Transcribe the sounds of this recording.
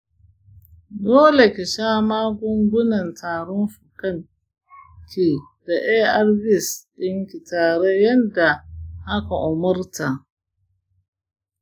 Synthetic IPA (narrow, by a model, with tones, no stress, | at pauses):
doː˦le˨kʲe˨ʃaː˦maː˦ɡʷʊ˦ŋɡʷʊ˦nɐ˨ntʰaː˨ɽɔ˦nɸu˨kɐ˦ŋ | kʰʲe˨ | d̥a˨ʔeː˦ʔa˦rbɪ˦sɗɪ˦ŋkʲi˨taː˨ɽe˦jɐ˦nda˨ʔa˦ka˨ʔʊ˨mʊ˦rta˨